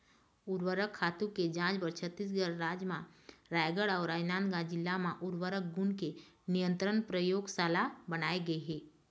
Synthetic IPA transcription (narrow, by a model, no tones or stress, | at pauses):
ʊɾwəɾəkʰːaːt̪ũked͡ʒãːt͡ʃbəɾt͡ʃʰət̪ːis̬ɡəɾːaːd͡ʒmãɾajɡəɽaːɾaːjnaːnɡãd͡ʒɪlːamãʔʊɾwəɾək̚ɡʊnke | nijə̃nt̪ɾənpɾəjoːɡsalabənaːeɡəeɦɛː